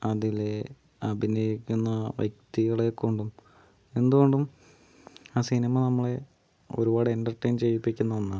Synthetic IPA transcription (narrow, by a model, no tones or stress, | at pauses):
ɐðile | ɐbʱinɐjikʲːunːɐʋjɐk̚t̪iɣɐɭekːuɳɖum | e̞nd̪uɣo̞ɳɖum | aːsinimɐnɐmːɐɭe̞ | o̞̰ɾubaːɽenɖɐrʈːɐjnt͡ɕe̞jipːikʲːunːɐonːa